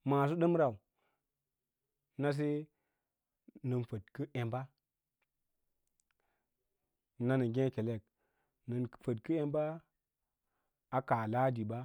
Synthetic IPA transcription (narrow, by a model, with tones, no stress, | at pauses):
ma˨s̬u˦ɗə˦mɾa˨u˨ | na˦s̬e˦ | nə˨nfə˨t̚kə˦ʔe˨mba˦ | na˦nə˨ɡʲẽ˦ke˨le˦˨k̚ | nə˨nfə˨tkə˦e˦mba˦ | a˨ka˨la˦di˨ba˦